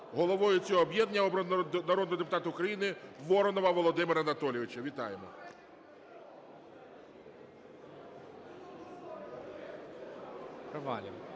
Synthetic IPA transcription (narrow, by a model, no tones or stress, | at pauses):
ɦɔlˠɔʋɔjʊt͡sʲɔɦɔːbjɛd̪nʲɐɔbɾɔnnɐɾɔd̪nɔɦɔd̪epʊt̪ɑt̪ɐʊkɾɐjinɪʋɔɾɔnɔʋɐʋɔlˠɔd̪ɪmɪɾɐnɐt̪ɔlʲjɪʋɪt͡ʃɐʋʲit̪ɑjemɔ | pɾɐʋɑlʲɪm